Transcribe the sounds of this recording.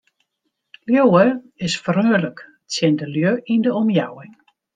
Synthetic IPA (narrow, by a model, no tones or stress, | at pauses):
ljowə | ɪsfərøːələk | tsjɪndəljøʔindəɔmjawɪŋ